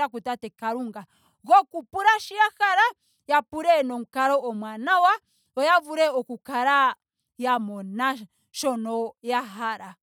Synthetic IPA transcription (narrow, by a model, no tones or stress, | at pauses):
akutatɛkaɾuŋɡa | ɣɔkupuɾaʃijaxaɾa | japuɾɛnɔŋ̩kaɾɔɔmwanawa | ɔjavuɾɛɔkukaɾa | jamɔna | ʃɔnɔjaɦaɾa